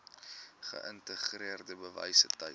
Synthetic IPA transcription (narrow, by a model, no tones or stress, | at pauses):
χə̰ʔəntəχriərdəbəvɐ̰jsətəj